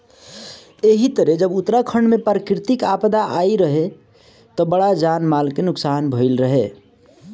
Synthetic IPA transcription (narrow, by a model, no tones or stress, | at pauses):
eɦit̪əɾed͡ʒəbut̪ɾakʰəɳɖmẽpɾəkɾɪt̪ikapd̪aʔaiɾəɦe | t̪ɔbəɽad͡ʒanmalkenʊksaːnbʱəɪlɾəɦe